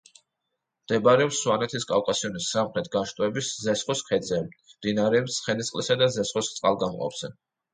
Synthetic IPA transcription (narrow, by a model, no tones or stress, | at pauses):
md̪̥ɛbɾɛɔpswanɛt̪ʰiskʼawkʼasiɔnisːamχɾɛt̪ʰɡaʃt̪ʼwɛbiszɛsχɔskʰɛd̪zɛmd̪̥inaɾɛpsχɛnit̪sʼqʼlisad̪azɛsχɔst̪sʼqʼa̰lˠɡamqʼɔ̰pʰz̥ɛ